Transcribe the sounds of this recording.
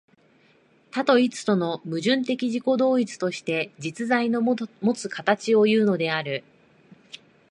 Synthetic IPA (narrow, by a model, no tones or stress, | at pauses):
t̪at̪o̞it͡sɨ̥t̪o̞no̞mɯ̟ʑɨ̃nt̪e̞kʲiʑiko̞d̪o̞ːit͡sɨ̥t̪o̞ɕi̥t̪e̞d͡ʑit͡sɨzaino̞mo̞t͡sɨkat̪at͡ɕio̞jɯ̟ːno̞d̪e̞aɾɯ̟